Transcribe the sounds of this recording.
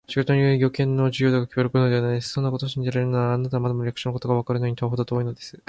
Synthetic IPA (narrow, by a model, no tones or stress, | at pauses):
ɕiɡot̪oɲʲioiɡʲo̞kẽ̞nːo̞d͡ʑɨjo̞ːd̪akakʲibaɾɯkonod̪e̞βanaijd̪esɨ̥so̞nːakot̪oːɕĩɲ̟d͡ʑiɾaɾenaːnat̪amad̪omoɾʲakɯ̥inoko̞t̪o̞ɡaβakaɾɯnoɲ̟it̪oɦod̪ot̪oːinod̪e̞sɨ̥